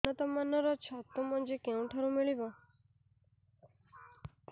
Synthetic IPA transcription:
ɔt̪ɔmanɔɾɔt͡ʃʰɔt̪umɔnd͡ʒekeũʈʰaɾũmiɭibɔ

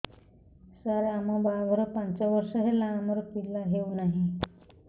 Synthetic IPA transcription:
saɾamababʱɔɾɔpant͡saʋəɾʂəɦelaːməɾpilːaɦeunaɦi

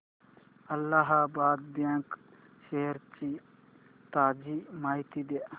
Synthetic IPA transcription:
ɐlːaɦabaːd̪̚bjãːŋk | ʃeɦəɾt͡ʃi | t̪aːd͡ʒiːmaːɦit̪id̪eʔ

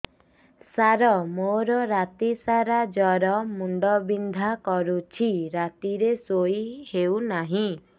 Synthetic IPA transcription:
saɾɔmoɾɔɾat̪isaɾad͡ʒɔɾɔmuɳɖɔbind̪ʱakɔɾut͡ʃʰiɾat̪iɾesoihewnaɦĩ

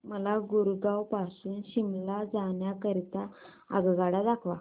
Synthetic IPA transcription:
məlaɡuɾɡawpasuːnɕimlad͡zaɳjakəɾit̪a | a̰ɡɡaɽad̪akʰʋa

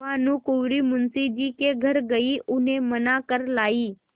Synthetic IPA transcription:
ãːnũːkuʋɾiːmʊnsid͡ʒiːkeɡʱəɾɡəiʔʊnẽmənakəɾlaːiː

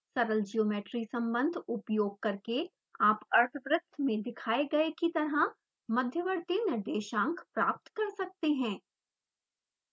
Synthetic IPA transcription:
sɐɾəld͡ʒioːmeːʈɾisɐ̃mbə̃nd̪ʱʊpjoːɡ̚kɐɾke | aːpɐɾt̪ʰəʋɾɪt̪ʰmẽd̪ɪkʰaːeɡɐekit̪ɐɾa | mɐd̪ʱjəʋɐɾt̪enɐɖeːʃãːŋkʰpɾaːp̚t̪kɐɾsɐk̚t̪eɦɛ̃ː

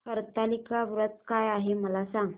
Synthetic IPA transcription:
həɾt̪alikaʋɾət̪kajaɦeməlasaŋɡ

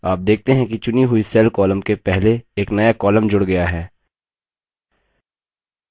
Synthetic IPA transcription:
aːp̚d̪eːk̚ʰt̪eɦɛ̃kit͡ʃʊniɦʊisɛːlkɔːləmkepɛɦleeːknɐjakɔːləmd͡ʒʊɽɡɐjaɦɛː

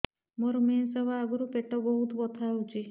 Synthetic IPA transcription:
moɾɔmensebʱaːɡɔɾupeʈɔbɔɦut̪bɔt̪ʰaut͡ʃʰi

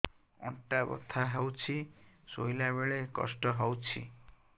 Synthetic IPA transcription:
ɔ̰ɳʈabɔ̰t̪ʰaɦewt͡ʃʰisojlaβeɭekɔ̰sʈɔɦɔwt͡ʃʰḭ

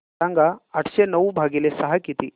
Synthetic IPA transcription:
ãŋɡaaʈʰɕenəʋubʱaɡilesəɦakit̪iː

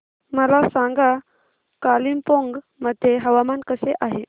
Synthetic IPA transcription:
məlasaŋɡa | kaliːmpoŋɡ | məd̪ʱːjeɦəʋamankəseʔaɦe

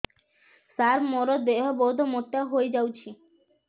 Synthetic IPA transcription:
saɾmɔɾod̪eɦobowd̪ʱomoʈːaɦoed͡ʑawt͡ɕʰi

